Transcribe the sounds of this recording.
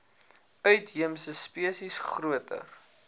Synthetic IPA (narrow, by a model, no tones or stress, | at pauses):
œɥtɦiəmsəspiəsisχruətʰə̰r